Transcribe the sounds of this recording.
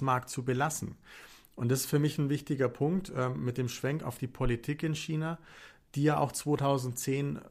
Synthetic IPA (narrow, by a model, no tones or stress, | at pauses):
maɐk̚tt͡subəlasn̩ | ʔʊntd̥asɪ̥sfyːɐmɪçn̩vɪçtɪɡɐpʰʊŋktɛːmɪt̚d̥eːmʃv̥ɛŋka̰ʊfd̥iːpʰolitʰiːkɪnçiːnaːd̥iːjaːʔa̰ʊxt͡sv̥oːtʰaʊzn̩tt͡seːn